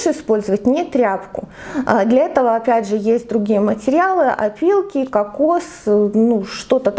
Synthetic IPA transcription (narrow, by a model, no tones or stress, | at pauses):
ʂɪspo̞lʲzəvətʲnʲɪt̪ɾʲapkʊd̪lʲɐɛt̪əvəɐpʲædʲʐɨjesʲt̚ʲd̪ɾʊɡʲijəmətʲɪɾʲɪalˠɨʔɐ̰pʲilˠkʲɪkɐkosnuʂt̪o̞t̪ət̪